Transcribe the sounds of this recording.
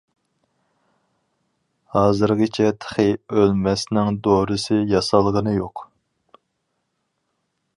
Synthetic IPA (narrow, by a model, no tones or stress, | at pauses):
hɑːzɨɾʁit͡ʃʰɛt̪ʰə̥χɨølmɛsnɪŋd̪oɾɨsɨjɑsɑlˠʁənɨjoq